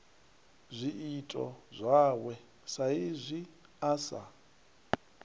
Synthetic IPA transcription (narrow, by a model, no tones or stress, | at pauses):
zʷiitʼɔzʷawɛ | saizʷi | asa̰